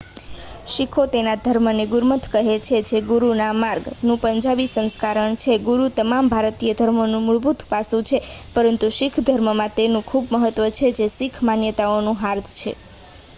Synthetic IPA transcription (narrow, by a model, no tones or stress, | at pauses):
ʃikʰot̪enad̪ʱəɾməneɡuɾmət̪ʰkəɦet͡ʃʰed͡ʒʰeɡuɾunamaɾɡnũpəɲd͡ʒabisə̃nskaɾəɳt͡ʃʰeɡuɾut̪əmambʱaɾt̪ijəd̪ʱəɾmonũmʊɭbut̪pasũt͡ʃʰepəɾənt̪uʃikʰd̪ʱəɾməmãt̪enũkʰubməɦət̪ːʋət͡ʃʰed͡ʒesikʰmanjət̪aonũɦaɾt̪ʰt͡ʃʰḛ